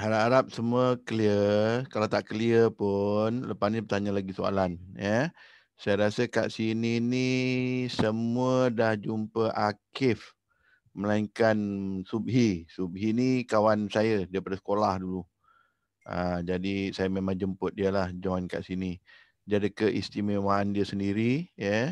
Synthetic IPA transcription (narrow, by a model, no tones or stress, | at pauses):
haɾaʔaɾap̚səmuəkəliəkalawt̪aʔkəliəpunləpasnipərt̪aɲəlaɡisoa̰lanjə | sajəɾasəka̰ʔsininisəmuədahd͡ʒumpəʔakɪf | məlaiŋkansub̚ɦisub̚ɦinikawansajədaapadəsə̥kolahdulu | ʔə̰d͡ʒadisajəmemaŋd͡ʒəmpʊt̪̚diəlahd͡ʒɔnka̰ʔsini | d͡ʒadəkəʔḭst̪imewaːndiəsəndiɾijə